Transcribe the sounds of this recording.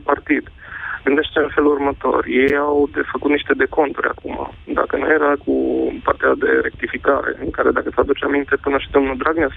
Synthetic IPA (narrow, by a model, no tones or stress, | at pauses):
part̪id̪ɡɨnd̪e̞ʃt̪t̪eɨnfe̞lurmət̪o̞̰rje̞jawd̪efəkut̪niʃt̪e̞d̪e̞ko̞nt̪uɾʲa̰kuma̰d̪a̰kənuje̞ɾakʰupart̪ead̪e̞̰ɾe̞k̚t̪ifikaɾe̞̰ɨŋkaɾe̞d̪akəsəad̪ut͡ʃamint̪e̞pɨnəʃid̪o̞mnuld̪ɾaɡnea